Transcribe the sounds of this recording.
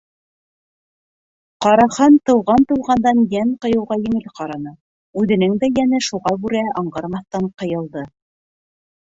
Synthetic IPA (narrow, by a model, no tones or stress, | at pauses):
qɑɾɑχɑnt̪ɤ̆wʁɑnt̪ɤ̆wʁɑnd̪ɑnjæɴqɤ̆jɤ̆wʁɑjɘ̆ŋɘlqɑɾɑnɤ | ʉðɘ̆nɘŋd̪æjænɘʃuʁɑbʉɾæɑɴɢɑɾmɑθt̪ɑɴqɤ̆jɤ̆lˠd̪ɤ